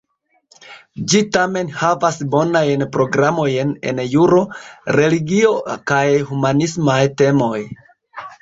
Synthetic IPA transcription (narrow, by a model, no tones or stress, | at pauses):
d͡ʒitame̞nhavasbo̞najnpɾo̞ɡɾamo̞jne̞̰njuɾo̞ɾe̞liɡio̞kajhumanismajte̞mo̞j